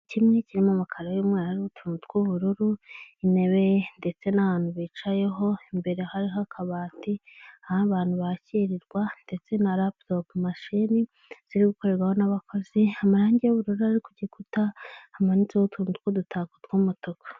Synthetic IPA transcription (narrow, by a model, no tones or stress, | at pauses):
cimŋeciɾimamakʰaɾajumŋeɾahaɾiutʰuːnutkwuβuɾuɾuine̞βejende̞t͡se̞naβaːn̥huβiːt͡ʃaje̞ɦo̞imbe̞ɾe̞haɾiɦakʰaβaːtiahaβaːn̥huβaciɾiɾɡwande̞t͡se̞naɾaptopmaʃini | z̥iɾiɡuko̞ɾe̞ɾɡwaho̞naβakʰo̞ziamaɾaːɲɟijuβuɾuɾuaɾikuɟiekutahamanit͡seoutʰuːnutkwodutʰakutɡomotokʰḁ